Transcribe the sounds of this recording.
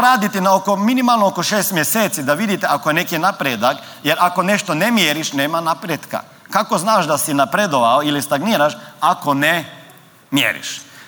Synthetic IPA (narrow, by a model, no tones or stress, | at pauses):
ɾaːd̪it̪inaokominimalˠnookoʃeːst̪mjeseːt̪sid̪aʋid̪it̪eʔakojenekinapɾed̪ak | jeɾakone̞ʃt̪o̞nemjeɾiʃneːmanapɾjet̪ka̰ | kako̞znaːʃd̪asinapɾed̪oʋaoilist̪aɡniːɾaʃako̞ne | mjḛːɾḭʃ